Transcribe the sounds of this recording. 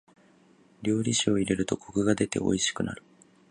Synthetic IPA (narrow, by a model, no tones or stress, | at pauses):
ɾʲo̞ːɾʲiɕio̞iɾe̞ɾɯ̟t̪o̞kʰo̞kɯ̟ɡad̪e̞t̪e̞̰o̞̰iɕi̥kɯ̟na̰ɾɯ̟̥